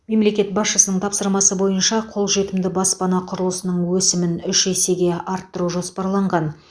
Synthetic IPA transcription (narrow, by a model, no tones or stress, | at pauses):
me̞mle̞kʲe̞t̪̚bɑsʃəsənəɴt̪ʰɑpsəɾmɑsəbo̞jənʃɑqʰo̞lˠʒe̞t̪ɪmd̪ɪbɑspɑnɑqʰʊɾəlˠəsənəɴwɵsɪmɪnʏʃese̞ɡʲe̞ʔɑɾt̪ːəɾuʒo̞spɑɾlˠɑɴʁɑn